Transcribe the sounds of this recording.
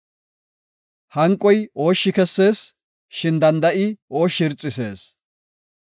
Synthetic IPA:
hɐŋkʼːɔjo̞ːʃːɪkɛsːe̞ːs | ʃɪnd̪ɐnd̪ɐʔɪo̞ːʃːɪɾt͡sʼːɪse̞ːs

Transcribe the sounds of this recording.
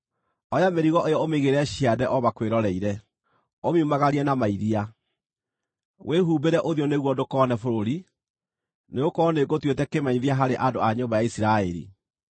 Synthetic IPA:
ɔjameɾiɣɔʔejɔomeɣeɾɛɕiadɛʔɔβakweɾɔɾɛiɾɛ | omiumaɣaɾiɛnamaiðia | wʔeɦuːbeɾɛʔoðjoneɣwɔdokɔnɛfoɾoɾi | neokɔneɡotwetɛkemaɲiðiaɦaɾeʔadoaɲombajaisiɾaɛɾḭ

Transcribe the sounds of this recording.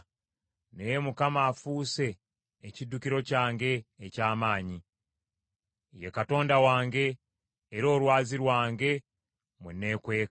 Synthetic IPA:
nejemukamaːfuːse̞ː | cidːukiɾo̞caːŋɡe̞ːcaːmaːɲi | jekato̞ːndawaːŋɡe̞ː | ɾo̞ːlwaːziɾwaːŋɡe̞ | munːe̞ːkwe̞ː

